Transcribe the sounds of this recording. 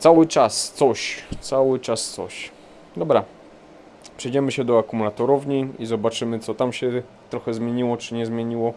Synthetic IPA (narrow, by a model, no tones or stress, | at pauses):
t̪sawɘt͡ʂast̪sɔɕt̪sawɘt͡ʂast̪sɔ̰ɕ | d̪ɔbɾa | pʂɛjd͡ʑɛmɘɕɛd̪ɔakumulat̪ɔɾɔvɲiizɔbat͡ʂɘmɘt̪sɔt̪amɕɛ | t̪ɾɔxɛzmʲjeɲiwɔt͡ʂɘɲɛzmʲjeɲiwɔ